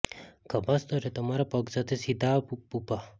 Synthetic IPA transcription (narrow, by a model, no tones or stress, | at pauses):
kəbast̪oɾet̪əmaɾapəksat̪ʰesid̪ʱappupa